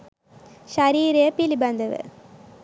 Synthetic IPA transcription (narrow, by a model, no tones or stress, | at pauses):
ʃɐɾiːɾɪjɐpilibɐnd̪ɐʋɯ̰